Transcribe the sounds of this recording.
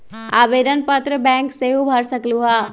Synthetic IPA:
aːʋeːd̪ənpət̪ɾəbɛ̃ːŋkseɦubʱɐɾsəkluɦaː

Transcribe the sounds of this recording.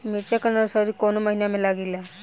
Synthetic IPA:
miɾt͡ʃakənaɾsəɾikɔnɔməɦinamɛlaɡila

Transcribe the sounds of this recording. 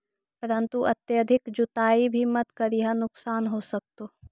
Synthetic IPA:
pɐɾə̃nt̪uʔɐt̪jəd̪ʱɪkd͡ʒʊt̪aːibʱimɐt̪kɐɾiɦãnʊksaːnɦoːsɐk̚t̪oː

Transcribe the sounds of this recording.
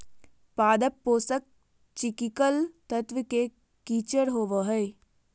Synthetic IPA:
paːd̪əpːoːsək̚ | t͡ʃɪkɪkəlt̪ət̪ʋəke | kiːt͡ʃəɾɦoːʋəɦɛː

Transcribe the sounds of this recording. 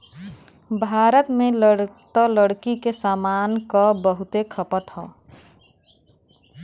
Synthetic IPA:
bʱaːɾət̪mẽləɽt̪ələɽkikesaːmankɔbəɦut̪ekʰəpət̪ɦɔ̰ː

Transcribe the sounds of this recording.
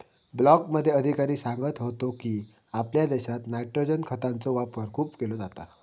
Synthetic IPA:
blɔkməd̪ʱːjeəd̪ʱikaɾiːsãŋɡət̪ɦot̪okiː | apljad̪eɕat̪najʈɾod͡ʑənkʰət̪ant͡sɔʋapəɾkʰuːpkelod͡zat̪a

